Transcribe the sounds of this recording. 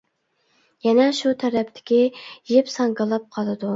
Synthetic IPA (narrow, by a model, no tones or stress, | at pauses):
jɛnɛʃut̪ʰæɾɛp̚t̪ʰɪ̥kʲijepsɑŋɡɑlˠɑp̚qʰɑlˠɨd̪u